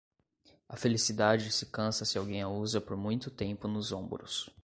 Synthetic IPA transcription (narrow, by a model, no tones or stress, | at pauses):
ɐ̰felisid̪ad͡ʒɪsɪkɐ̃sɐsɪawɡẽj̃auzɐpoɾmũj̃t̪ʊt̪ẽmpʊnʊzõmbʊɾʊ̰s